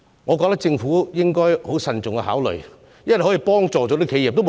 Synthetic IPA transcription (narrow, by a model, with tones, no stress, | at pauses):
ŋɔː˨˧k̬ɔ˧k̚t̪ɐ˥k̚t͡sɪ˧ŋfuː˨˥jɪ˥ŋkɔː˥jho˨˥wsɐ˨˧nt͡sʊ˨ŋkɛ˧ɦaː˨˥wlɵ̰˨˩ | jlhɔ˨˥ji˨˩pɔː˥ŋt͡sɔː˨˩t͡ɕɔ˨˥t̪i˥kʰe˨˧jiː˨p̚t̪o˥